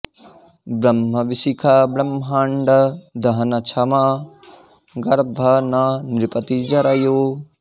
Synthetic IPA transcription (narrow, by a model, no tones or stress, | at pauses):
bɾɐmɦɐʋisikʰabɾɐmɦaɳɖɐd̪ʱɐɦɐnɐt͡ʃʰɐma | ɡɐɾbʱɐnɐnɾɪpɐt̪id͡ʒɐɾɐjoː